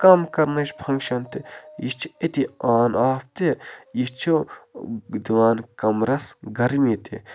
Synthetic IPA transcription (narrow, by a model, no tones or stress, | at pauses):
kɐmkɐɾnɐt͡ʃbʰʱɐ̃ŋɡʃɐnt̪ijit͡ʃʰiet̪iaːnaːp̚t̪ejit͡ʃʰi | d̪iʋaːnkɐmɾɐsɡɐɾmit̪ḭ